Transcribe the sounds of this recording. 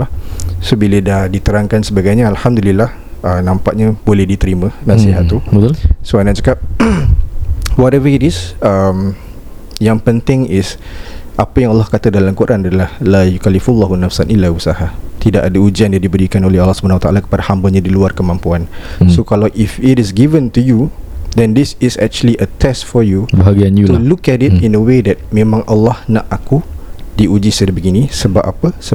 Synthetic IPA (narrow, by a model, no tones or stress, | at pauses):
sobilədahdit̪əɾaŋkansəbaɡajɲaalhamd̪ulilah | ənãmpaʔ̚ɲabolɛhdit̪əɾimə̃nasiɦat̪ːubət̪soanat͡ʃakap̚ | wɔɾɛvədisəm | jaŋpənt̪ɪŋɪs | ʔapajaŋalːɑhkat̪adalamkoɾʔanadalahlajukalifulːɔɦunafsanilausahat̪idaʔadaud͡ʒianjandibəɾikanolɛhɑlːɑhsubanawat̪a̰ʔalakə̥padahambaɲadiluarkəmãmpuansokalawʔifitɪsɡivənt̪ujudɛndɪsɪsɛ̰k̚t͡ʃuəliʔət̪ɛstfɔjubəɦaɡianjut̪ulukɛtɪtĩnəwedɛt̪̚mẽmãŋʔalːɑhnaʔakudiʔud͡ʒisədbəɡinĩsəbapʔapəsə